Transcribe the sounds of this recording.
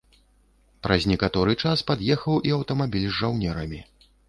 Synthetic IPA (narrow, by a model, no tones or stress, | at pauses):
pɾɐzʲnʲɛkat̪ɔɾɨt͡ʂaspad̪jɛxɐwʔiɐwt̪ɐmabʲilʲzʐawnʲɛɾɐmʲi